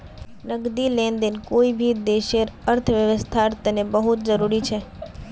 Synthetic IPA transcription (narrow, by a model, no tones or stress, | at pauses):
nəɡd̪ilẽnd̪enkoibʱid̪eʃeɾəɾt̪ʰəʋjəʋəst̪ʰaəɾt̪ənebəɦut̪d͡ʒəɾuɾit͡ʃʰe